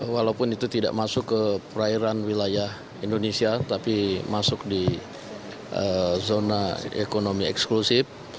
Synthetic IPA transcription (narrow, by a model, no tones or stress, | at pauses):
walawpʊnit̪ut̪ida̰ʔmasʊkːəpəɾaiɾanwilajah | indonesiat̪apimasʊk̚di | əzonaḛkonomiɛksklusɪf